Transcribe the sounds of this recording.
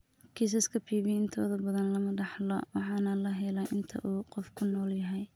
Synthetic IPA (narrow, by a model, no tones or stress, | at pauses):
kʰis̬ɐskʰɐpʰiːβɪɪnt̪ʰɔːðɐbɐðɐnlɐmɐɖɑħlɔ̰wɑħɑːnɐlɐɦɛlaːʔɪnt̪ʰɐ̰ʔuːqɔfkʰʊnɔːljɐɦɛj